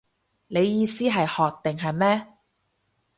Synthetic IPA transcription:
ne˨˧jjiː˧siː˥ɦɐ˨jhɔː˨k̚t̪ɪ˨ŋɦɐ˨jmɛː˥

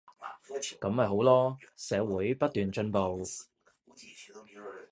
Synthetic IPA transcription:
kɐ˨˥mhɐ˨jhɦo˨˥wlɔː˥sɛː˨˥wuː˨˥jpɐ˥t̚t̪yː˨nt͡ʃɵ˧npo˨w

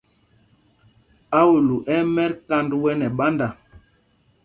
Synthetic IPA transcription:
a˦wu˨lu˨ʔɛ˦mɛ˦ɾka˦ndwɛ˦nɛ˨ɓa˦nda˨

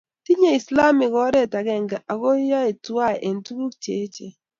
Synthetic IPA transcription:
ti˦ɲe˦i˨sla˦mɪ˨kɔ˨˦ɾɛ˦˨ta˨ɡɛ˨ŋɡa˨ʔa˨ɡo˦jɔ˦i˨twa˦˨ʔe˨n˦tu˦ɡu˦k̚t͡ʃe˨˦t͡ʃe˨

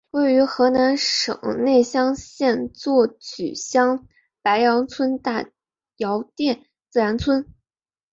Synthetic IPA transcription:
we˥˩ɪy˧˥xɤ˧˥na˧˥nʂɤ̰˨˩ŋne˥˩ɪɕjɑ˥ŋɕjɛ˥˧nt͡swɔ˥˩t͡ɕy̰˨˩ɕjɑ˥ŋ | pa˧˥ɪjɑ˧˥ŋt͡sʰwə˥nt̪a˥˩ | jɑ˧˥ʊt̪jɛ˥˩n | t͡sɹ̩˥˩ɻa˧˥nt͡sʰwə˥n

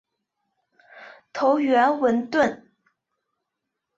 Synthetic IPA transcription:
t̪ʰo˧˥ʊɥɛ˧˥nwə˧˥nt̪wə˥˩n

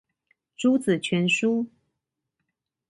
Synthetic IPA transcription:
ʈ͡ʂu˥t͡sɹ̩˨˩t͡ɕʰɥɛ˧˥nʂu˥

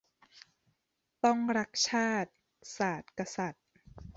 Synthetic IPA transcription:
t̪ɔ˥˩ŋɾa˦˥k̚t͡ɕʰaː˥˩t̪̚ | saː˨˩t̪̚ka˧sa˨˩t̪̚

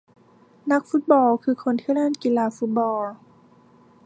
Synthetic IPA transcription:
na˦˥k̚fu˧˦˥t̪̚bɔː˧kʰɯː˧kʰo˧˨nt̪ʰiː˧˩lɛː˥˨nki˨˧˨laː˧fu˦t̪̚bɔː˧

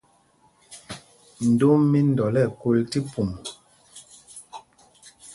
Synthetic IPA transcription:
n̩˨do˦mːi˦n̩˨dɔ˨lɛ˦˨ko˦lti˦pu˨m

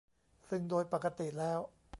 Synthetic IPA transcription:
sɯ˥˩ŋdoː˧jpa˨˩kːa˧t̪i˨˩lɛː˦˥˩w

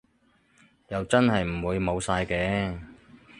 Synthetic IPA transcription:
jɐ˨wt͡sɐ˥nhɐ˨jm̩˨˩wuː˨˧jmo˨˧wsaː˧jkɛː˧˥

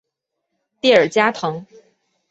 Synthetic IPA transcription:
t̪jɛ˥˩ə˞˨˩t͡ɕja˥t̪ʰɤ˧˥ŋ

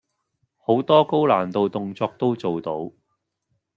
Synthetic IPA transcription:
ho˨˥wt̪ɔː˥ko˥wlaː˨˩nt̪o˨wt̪ʊ˨ŋt͡sɔː˧k̚t̪o˥wt͡so˨wt̪o˨˥w

